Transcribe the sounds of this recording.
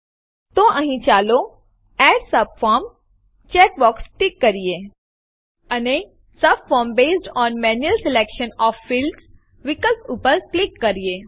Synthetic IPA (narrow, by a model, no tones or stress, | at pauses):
t̪oʔəɦĩt͡ʃaːlo | ɛːʈsɐbfɔːɾm | t͡ʃɛːʈ̚bɔːksʈɪkːɐɾie | ɐne | sɐbfɔːɾmbeːsʈɔ̃ːnmɛ̃ːnjuəlseleːkʃə̃nɔːfːɪls | ʋɪkəltuːpəɾklɪkːɐɾieː